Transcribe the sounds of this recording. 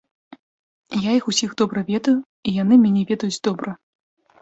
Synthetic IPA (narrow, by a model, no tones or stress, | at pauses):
jaixusʲiɣd̪ɔbɾɐvʲɛd̪ɐju | ijanɨmʲanʲɛvʲɛd̪ɐjud͡zʲd̪ɔbɾɐ